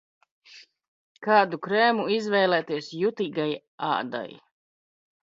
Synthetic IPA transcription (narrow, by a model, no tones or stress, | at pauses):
kaːd̪ukɾɛːmuizvɛjlˠɛːt̪iɛsjut̪iːɡaj | a̰ːd̪a̰j